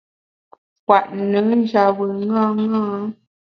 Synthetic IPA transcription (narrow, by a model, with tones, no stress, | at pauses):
kwa˨ʔnɨ˨˦n˦d͡ʒa˨bɨ˨ŋã˦ŋaː˦